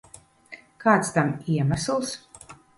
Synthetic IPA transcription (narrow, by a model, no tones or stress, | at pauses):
kaːt̪st̪amiɛmæslˠs